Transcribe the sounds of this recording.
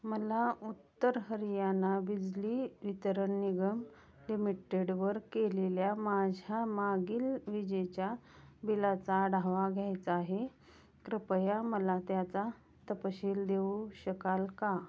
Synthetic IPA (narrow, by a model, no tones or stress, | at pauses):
məlaut̪ːəɾɦəɾijanabid͡zliːʋit̪əɾəɳːiɡəm | limiʈeɽʋəɾkeleljamad͡zʱamaɡiːlʋid͡ʑet͡ɕjabilat͡saɽʱaʋaɡʱjajt͡saːɦe | kɾəpəjaməlat̪jat͡sa | t̪əpəɕiːld̪euɕəkalka